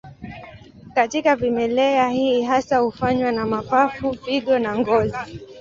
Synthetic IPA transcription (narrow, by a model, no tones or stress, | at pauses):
katikavimɛlɛahiɦasahufaɲwanamapafuviɠɔnaŋɡɔzi